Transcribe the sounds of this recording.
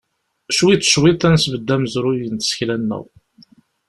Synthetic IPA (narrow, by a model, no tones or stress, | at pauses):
ʃwit̪ːʃwiθænsvəd̪ːæmzɾʊjənt̪ə̥sə̥çlænːə̰w